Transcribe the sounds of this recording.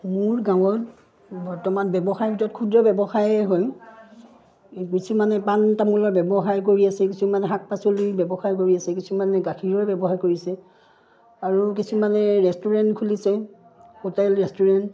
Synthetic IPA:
muɹɡãw̃ɔt | bɔɹtɔmanbɛbɔxaɹbʱitɔtkʰudɔbɛbɔxaɹɛɦɔj | kisʰimanɛpantamulɔɹbɛbɔɦaɹk̬oɹiasɛkisumanɛɦak̚pasolibɛbɔxaɹk̬oɹiasɛkisumanɛɡakʰiɹɔɹbɛbɔhaɹkoɹisɛ | aɹuk̬isumanɛɹɛstuɹɛntkʰulisɛ | hotɛlɹɛstuɹɛnt

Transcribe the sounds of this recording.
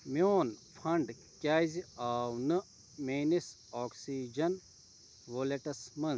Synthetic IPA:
mʲoːnpʰɐɳɖ | kʲaːziaːwnɨ | menis | ɔːksiːd͡ʒɐn | ʋoːleʈɐsmɐn

